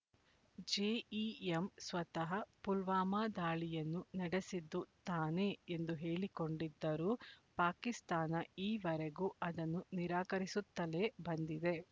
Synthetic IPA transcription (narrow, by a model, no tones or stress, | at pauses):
d͡ʒeːiemsʋɐt̪ɐɦɐpulʋaːmaːd̪aːɭijɐnːunɐɽesid̪ːut̪aːne̞ːend̪uɦe̞ːɭiko̞ɳɖid̪ːɐɾuːpaːkist̪aːnɐiːʋɐɾeɡuːʔɐd̪ɐnːuniɾaːkɐɾisut̪ːɐleːbɐnd̪id̪e̞